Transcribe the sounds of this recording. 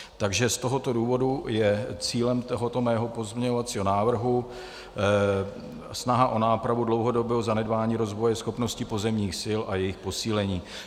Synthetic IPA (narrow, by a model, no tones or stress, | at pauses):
t̪aɡʒɛst̪oɦo̞t̪o̞duːvo̞dujɛt͡siːlɛmt̪oɦot̪omɛːɦo̞po̞zmɲɛɲovat͡siːɦo̞naːvr̩ɦu | snaɦaʔo̞naːpɾavudlo̞wɦo̞dobɛːɦozanɛdbaːɲiːɾo̞zvo̞jɛsxo̞pno̞scɪpo̞zɛmɲiːxsɪlʔajɛjɪxpo̞siːlɛɲiː